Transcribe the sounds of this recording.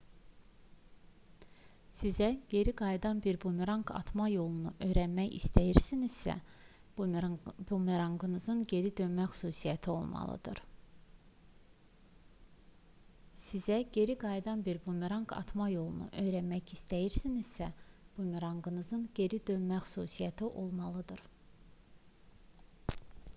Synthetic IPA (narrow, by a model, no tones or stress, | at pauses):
sizæɟ̥e̞ɾiɡɑjd̪ɑnbiɾbumiɾɑŋɡʰɑ̰t̪ʰmɑjo̞lˠunuʔø̞jɾænmæjḭst̪ʰæjiɾsiniz̥sæ̰ | bumiɾɑŋɡɯnɯzɯnɟe̞ɾid̪ø̞nmæxy̥suːsijæt̪ʰio̞̰lˠmɑ̰lˠɯ̰d̪ɯ̰ɾ | sizæɟ̥e̞ɾiɡɑjd̪ɑnbiɾbumiɾɑŋkʰɑ̰t̪ʰmɑjo̞lˠunṵʔø̞jɾænmæçist̪æjiɾsiniz̥sæ | b̥umiɾɑŋɡɯnɯzɯnɟe̞ɾid̪ø̞nmæxy̥suːsijæt̪ʰiʔo̞lˠmɑlˠɯd̪ɯɾ̥